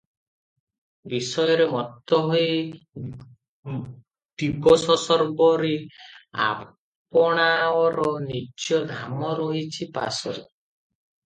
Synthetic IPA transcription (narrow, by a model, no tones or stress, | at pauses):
bisɔjɔɾemɔt̪ɔɦoj | ʈ̪ibɔsɔsɔɾbɔɾea̰ | p̚ɔɽ̃aɔɾɔnit͡ʃjɔɡ̪ʱamɔɾɔɦit͡ʃʰipa̰sɔɾe